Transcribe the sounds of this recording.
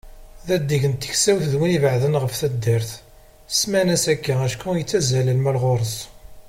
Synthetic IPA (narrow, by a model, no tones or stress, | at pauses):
ðæd̪ːiʝənt̪ːə̥çsæwθðwinivəʕðənʁəfθæd̪ːəɾθ | smænæsækːææʃkujət͡sːæzæləlmælʁoɾˤəs